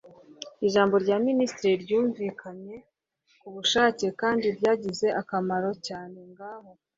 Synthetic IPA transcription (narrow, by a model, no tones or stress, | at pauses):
iʒaːmbo̞ɾɟaːministɾiɾɟuːɱviːkʰaɲe̞ | kuβuʃaːce̞kaːndiɾɟaːɟize̞ʔakamaɾo̞caːne̞ŋɡaːho̞